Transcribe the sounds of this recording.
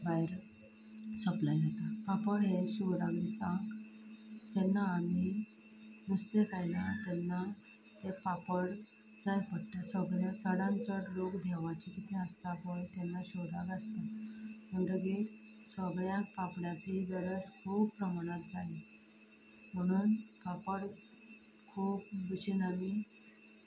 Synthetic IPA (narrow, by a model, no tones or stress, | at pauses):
bajɾ | səplajɦet̪apapəɽɦeɕuʋɾakd̪isãŋɡ | d͡ʑɛnːaːmi | nust̪ekajnat̪ɛnːa | t̪epapəɽ | t͡sajpəɽʈ̪asəɡɭjat͡səɽãnt͡səɽlokd̪ʱaʋat͡ɕikit̪ʰeəst̪apəɳt̪ɛnːaɕod̪akast̪aməɳɖəɡeɾ | səɡɭjak̚papɽjat͡ɕiɡəɾət͡skʰuːppɾəmaɽ̃at̪̚d͡zali | m̤əɽ̃uːnpapəɽ | kʰuːp̚buɕinami